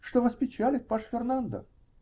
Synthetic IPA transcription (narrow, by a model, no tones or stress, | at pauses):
ʂt̪ovəspʲɪt͡ɕælʲɪt̪̚paʂfʲɪrnand̪ə̰f